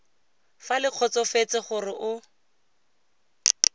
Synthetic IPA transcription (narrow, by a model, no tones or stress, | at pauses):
falɪq͡χʰɔt͡sɔfet͡sɪχʊrɪʔʊ